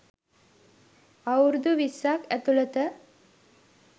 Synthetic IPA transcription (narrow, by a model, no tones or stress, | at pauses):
ɐwɾud̪uʋisːakæt̪ulət̪ə